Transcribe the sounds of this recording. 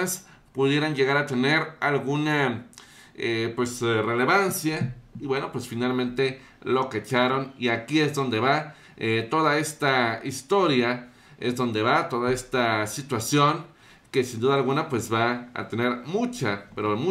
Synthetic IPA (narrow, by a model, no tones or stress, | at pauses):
as | puðje̞ɾanjeɣaɾat̪eneɾalɣuna | epwesreleβansjaiβwenopwesfinalmẽnt̪e | loket͡ʃaɾoniakiezðo̞nd̪eβa | et̪oðaest̪aist̪oɾja | ezðond̪e̞βat̪oðaest̪asit̪wasjoŋ | kesind̪uðaːlɣunapwe̞sβa̰ːt̪eneɾmut͡ʃapeɾomu